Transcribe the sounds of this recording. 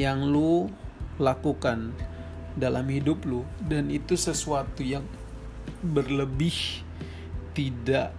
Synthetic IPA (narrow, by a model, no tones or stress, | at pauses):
jaŋlu | lakukan | dalʔa̰mhidʊp̚lʊdanit̪usəsuat̪ujaŋ | bərləbɪh | t̪idaʔ